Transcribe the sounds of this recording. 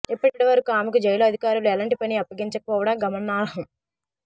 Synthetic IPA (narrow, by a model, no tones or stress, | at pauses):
epːɐʈiʋɐɾɐkuaːmikud͡ʒɐjloːɐd̪ʱikaːɾuluɛlɐɳʈipɐniɐpːɐɡiɲt͡ʃɐkɐpɔːʋɐɽɐɡɐmɐnːaːlɐɦɐm